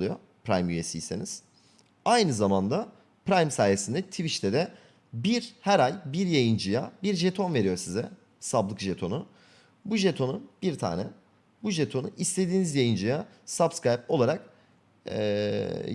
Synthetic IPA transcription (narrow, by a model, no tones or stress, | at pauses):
ujo | pʰɾa̰jmyje̞sijseniz̥ | ajnɯzamand̪a | pɾajmsaːjesind̪ɛt̪ʰiviʃt̪ʰɛd̪ɛ | biɾhæɾajbiɾjajɯnd͡ʒɯjabiɾʒe̞t̪ʰo̞nve̞ɾijo̞ɾsizɛ | sablˠɯkʒe̞t̪ʰo̞nʊ | buʒe̞t̪ʰo̞nubiɾt̪ʰa̰ːnɛ | buʒet̪ʰo̞nuist̪ʰe̞d̪iːnizjajɯnd͡ʒɯjasabskɾajpo̞lˠaɾak̚